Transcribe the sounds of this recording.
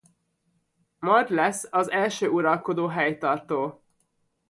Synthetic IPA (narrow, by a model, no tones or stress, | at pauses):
mɒrd̪lɛsːɒzɛlʃøːuɾɒlko̞d̪oːɦɛjt̪ɒrt̪oː